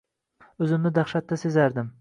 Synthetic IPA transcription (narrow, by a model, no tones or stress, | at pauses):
ɵzɪmnɪd̪ɑχʃat̪ːasezaɾd̪ɪm